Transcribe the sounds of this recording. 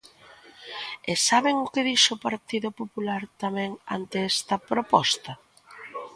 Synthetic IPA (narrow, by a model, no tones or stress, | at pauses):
esaβɪŋʊkɪðiʃopaɾt̪iðʊpopulaɾt̪amɛ̃ŋa̰nt̪eɛst̪ɐpɾopɔst̪ɐ